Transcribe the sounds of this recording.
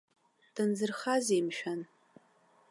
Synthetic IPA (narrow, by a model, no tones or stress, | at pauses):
d̥ɨnzɨrχazemʃᶣan